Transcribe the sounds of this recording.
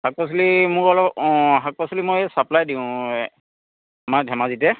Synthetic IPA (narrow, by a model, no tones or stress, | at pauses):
hak̚pas̬ulimʊɹɔlɔpɦak̚pasulimojsaplajdiʊ̃ | amaɹdʱɛmazitɛ